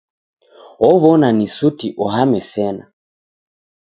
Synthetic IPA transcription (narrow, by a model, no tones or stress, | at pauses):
ɔβɔnanisutiʔɔɦamɛsɛna̰